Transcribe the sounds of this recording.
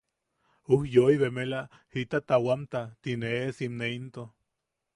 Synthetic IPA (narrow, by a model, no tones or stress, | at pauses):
uhjoiβemela | hit̪at̪awamt̪at̪ineesimneint̪o